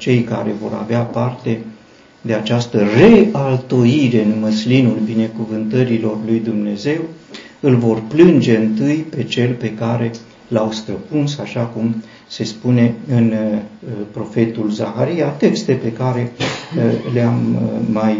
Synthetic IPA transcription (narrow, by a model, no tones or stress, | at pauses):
t͡ʃe̞jka̰ɾevo̞̰ɾa̰veapart̪e̞ | d̪e̞at͡ʃast̪əre̞alt̪o̞jiɾe̞ɨnməslinulbine̞kuvɨnt̪əɾilo̞rlujd̪umne̞ze̞w | ɨlvo̞rplɨnd͡ʒe̞ɨnt̪ɨjpe̞t͡ʃe̞lpe̞kaɾe̞ | lawst̪ɾəpunsaʃakum | se̞spune̞ɨn | pɾo̞fe̞t̪ulzaxaɾijat̪e̞kst̪e̞pe̞kaɾe̞ | leamːaj